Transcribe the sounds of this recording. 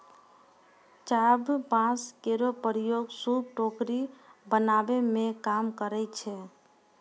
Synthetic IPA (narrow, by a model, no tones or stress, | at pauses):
t͡ʃabpãt͡ʃkeɾopəɾijoɡsub̚ʈokɾibənabemẽkamkəɾɛt͡ʃʰɛ